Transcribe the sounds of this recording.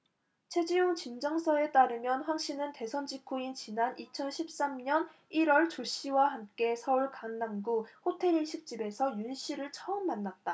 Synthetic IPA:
t͡ɕʰe̞d͡ʑijoŋt͡ɕind͡ʑʌŋsʰʌe̞t͈aɾɯmjʌnɸwaŋɕ͈inɯnte̞sʰʌnd͡ʑikʰuint͡ɕinanit͡ɕʰʌnɕʰip̚s͈amɲʌniɾwʌɭt͡ɕoɕ͈iwaɦamk͈e̞sʰʌuɭkaŋːaŋɡuɸotʰe̞ɾiɕʰik̚t͡ɕ͈ibe̞sʰʌjunɕʰiɾɯɭt͡ɕʰʌɯmːanːat̚t͈a

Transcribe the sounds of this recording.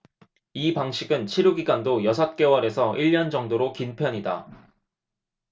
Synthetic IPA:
ipaŋɕʰiɡɯnt͡ɕʰiɾuɡiɡandojʌsʰʌt̚k͈e̞waɾe̞sʰʌʔiʎːʌnd͡ʑʌŋdoɾokinpʰjʌɲida̰

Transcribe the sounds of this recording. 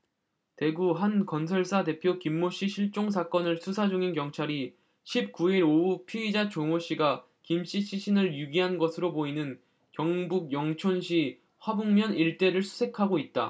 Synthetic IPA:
te̞ɡuɦankʌnsʰʌɭs͈ʰade̞pʰjokimːoɕ͈iɕʰiɭt͡ɕ͈oŋsʰak͈ʌnɯɭsʰusʰad͡ʑuŋinkjʌŋt͡ɕʰaɾi | ɕʰip̚k͈uiɾoupʰiid͡ʑat͡ɕoŋoɕ͈iɡa | kimɕ͈ʰit͡ɕʰiɕʰinɯɭjuɡiɦanɡʌsʰɯɾoboinɯn | kjʌŋbuɡ̚jʌŋt͡ɕʰonɕʰi | ɸwabuŋmjʌniɭt͈e̞ɾɯɭsʰu̥sʰe̞kʰaɡoit̚t͈a̰

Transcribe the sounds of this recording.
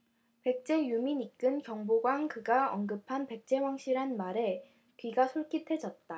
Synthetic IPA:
pe̞k̚t͡ɕ͈e̞juminik͈ɯnkjʌŋboɡwaŋkɯɡaʌnɡɯpʰanpe̞k̚t͡ɕ͈e̞waŋɕʰiɾɦanmaɾe̞ | kɥiɡasʰoɭk͈itʰe̞d͡ʑʌt̚t͈a

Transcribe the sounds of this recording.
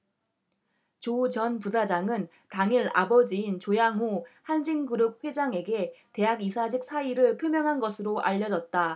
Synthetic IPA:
t͡ɕot͡ɕʌnpusʰad͡ʑaŋɯn | taŋiɾa̰bʌd͡ʑiint͡ɕojaŋɦohand͡ʑiŋɡɯɾɯp̚ɸwe̞d͡ʑaŋe̞ɡe̞te̞ɦaɡisʰad͡ʑik̚s͈ʰaiɾɯɭpʰjomjʌŋɦanɡʌsʰɯɾoʔa̰ʎːʌd͡ʑʌt̚t͈a

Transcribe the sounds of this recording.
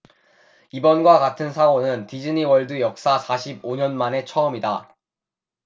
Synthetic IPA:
ibʌnɡwakatʰɯnsʰaɡonɯntid͡ʑɯniwʌɭdɯjʌk̚s͈asʰaɕʰiboɲʌnmane̞t͡ɕʰʌʌmida

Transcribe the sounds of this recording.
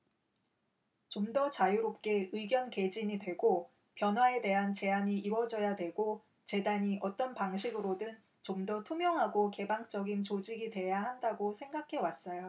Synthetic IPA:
t͡ɕomdʌt͡ɕajuɾop̚k͈e̞ɯiɡjʌnke̞d͡ʑiɲidwe̞ɡo | pjʌnɦwae̞de̞ɦant͡ɕe̞aɲiʔiwʌd͡ʑʌjadwe̞ɡo | t͡ɕe̞daɲiʔʌt͈ʌnpaŋɕ̬ʰiɡɯɾodɯn | t͡ɕomdʌtʰumjʌŋɦaɡoke̞baŋt͡ɕ͈ʌɡint͡ɕod͡ʑiɡidwe̞jaɦandaɡosʰe̞ŋɡakʰe̞was͈ʌjo

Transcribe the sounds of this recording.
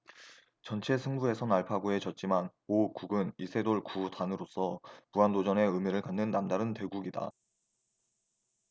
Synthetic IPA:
t͡ɕʌnt͡ɕʰe̞sʰɯŋbue̞sʰʌnaɭpʰaɡoe̞t͡ɕʌt̚t͡ɕ͈iman | okuɡɯnisʰe̞doɭkutanɯɾosʰʌpuandod͡ʑʌne̞ɯmiɾɯɭkanːɯnːamdaɾɯnte̞ɡuɡida̰

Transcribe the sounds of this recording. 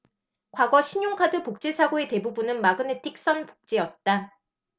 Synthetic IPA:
kwaɡʌɕʰiɲoŋkʰadɯpok̚t͡ɕ͈esʰaɡoe̞te̞bubunɯnmaɡɯnetʰik̚s͈ʌnpo̥k̚t͡ɕ͈eʌt̚t͈a

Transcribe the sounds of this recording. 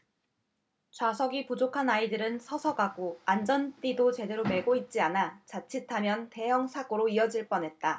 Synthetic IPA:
t͡ɕwasʰʌɡipud͡ʑokʰanaidɯɾɯnsʰʌsʰʌɡaɡoand͡ʑʌnt͈idot͡ɕe̞de̞ɾome̞ɡoit̚t͡ɕ͈ianat͡ɕat͡ɕʰitʰamjʌnte̞jʌŋsʰaɡoɾoiʌd͡ʑiɭp͈ʌnɦe̞t̚t͈a

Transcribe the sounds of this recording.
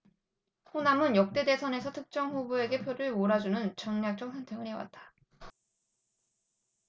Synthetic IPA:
honamɯnjʌk̚t͈e̞de̞sʰʌne̞sʰʌtʰɯk̚t͡ɕ͈ʌŋɸubue̞ɡe̞pʰjoɾɯɭmoɾad͡ʑunɯnt͡ɕʌŋɲak̚t͡ɕ͈ʌŋsʰʌntʰe̞ɡɯɭhe̞wa̰t̚t͈ḁ

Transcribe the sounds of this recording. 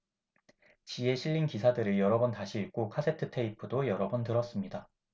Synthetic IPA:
t͡ɕie̞ɕʰiʎːinkisʰadɯɾɯɭjʌɾʌbʌntaɕʰiːɭk͈okʰasʰe̞tʰɯtʰe̞ipʰɯdojʌɾʌbʌntɯɾʌs͈ɯmɲida

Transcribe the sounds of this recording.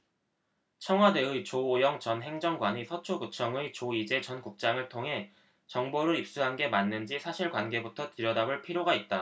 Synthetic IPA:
t͡ɕʰʌŋɦwade̞ɯjt͡ɕoːjʌŋt͡ɕʌnɦe̞ŋd͡ʑʌŋɡwaɲisʰʌt͡ɕʰoɡut͡ɕʰʌŋɯjt͡ɕoid͡ʑe̞t͡ɕʌnkuk̚t͡ɕ͈aŋɯɭtʰoŋɦe̞ | t͡ɕʌŋboɾɯɾip̚s͈uɦanɡe̞manːɯnd͡ʑisʰaɕʰiɭkwanɡe̞butʰʌtɯɾjʌdabɯɭpʰiɾjoɡait̚t͈a

